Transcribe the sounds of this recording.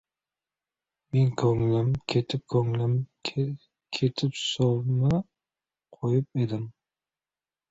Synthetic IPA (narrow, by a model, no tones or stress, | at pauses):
menkʰɵŋlamkʲʰet̪ʰɪp̚kʰɵŋlamʰ | kʲʰet̪ʰɪpsɒlˠma | qʰojɪp̚e̞d̪ɪm